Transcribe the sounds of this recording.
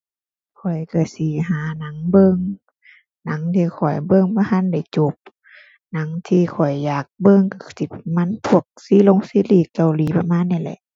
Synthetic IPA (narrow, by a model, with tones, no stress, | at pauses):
kʰɔ˨˩jka˧˩si˧˨˦ɦaː˨˦na˨˦ŋbɤ˧˨ŋ | na˨˦ŋt̪ʰiː˧˩kʰɔ˨˩jbɤ˧˨ŋba˧ha˧˥˨nda˧˩jt͡ɕo˧˦p̚ | na˨˦ŋt̪ʰiː˧kʰɔ˨˩jːaː˨˩k̚bɤ˧˨ŋka˧˩˨si˧˦ma˧˥˨npʰu˧˩ək̚si˧˦lo˧˨ŋsiː˧˦liː˧˩kːa˨˩wliː˨˦pa˧maː˧˥˨nːa˧˩˨lɛ̰˧˦ʔ